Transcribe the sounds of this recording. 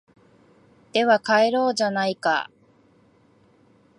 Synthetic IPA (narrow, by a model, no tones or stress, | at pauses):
d̪̥e̞βakaeɾo̞ːd͡ʑanaika̰